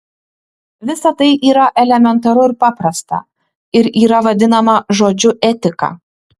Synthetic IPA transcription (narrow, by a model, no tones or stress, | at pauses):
ʋʲɪsɐt̪ɐɪʔiːɾɐʔɛlʲɛmʲɛnt̪ɐɾʊɪɾpɑːpɾɐst̪ɐ̰ | ɪɾiːɾɐʋɐd̪ʲɪnɐmɐʒoːd͡ʒʲʊʔɛt̪ʲɪkɑ̰